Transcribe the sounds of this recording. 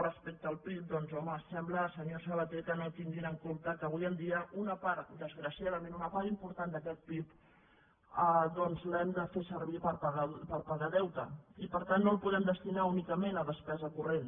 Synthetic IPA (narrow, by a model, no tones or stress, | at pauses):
rəspek̚t̪əːlˠpip̚d̪ɔnzɔməsɛmbləsəɲosəβət̪ekənot̪iŋɡinəŋkomt̪əkəβujənd̪iəʔunəpaɾd̪əzɣɾəsiað̞əmẽnunəpaɾimpuɾt̪and̪əkɛt̪̚pip | əðɔnzlɛmd̪əfesəɾβ̞ipəɾpaɣapəɾpaɣaðɛwt̪ə̰ipəɾt̪anːolˠpuðɛmd̪əst̪inaunikəmenəðəspɛzəkuren